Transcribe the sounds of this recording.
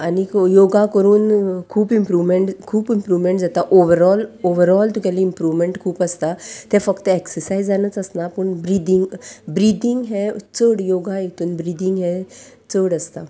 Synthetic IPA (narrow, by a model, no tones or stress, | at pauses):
anijoɡakəɾuːnkʰuːpimpɾuʋmeɳʈkʰuːpimpɾuʋmeɳʈd͡zat̪aʔoʋəɾɔloʋəɾɔlt̪ũkaliimpɾuʋmeɳʈkʰuːpəst̪at̪ɛfəkt̪əeksəɾsaizd͡zanət͡səsnapəɳbɾid̪iŋɡbɾid̪iŋɡɦɛ̃t͡səɽjoɡaekt̪uːnbɾid̪ʱiŋɡɦɛ̃ | t͡səɽəst̪a